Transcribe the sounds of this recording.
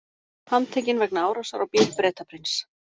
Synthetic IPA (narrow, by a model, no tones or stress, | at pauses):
hamt̪ʰeːjcɪnvɛknaaːwɾasaɾawpjɛlpɾɛːt̪apʰɾɪns